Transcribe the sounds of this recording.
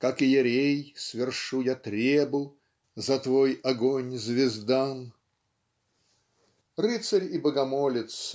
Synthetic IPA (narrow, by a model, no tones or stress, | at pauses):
kakɨjɪɾʲejsvʲɪrʂujat̪ɾʲebʊ | zɐt̪vojɐɡonʲzʲvʲɪzd̪an | rɨt̪səɾʲibəɡɐmolʲɪt̪s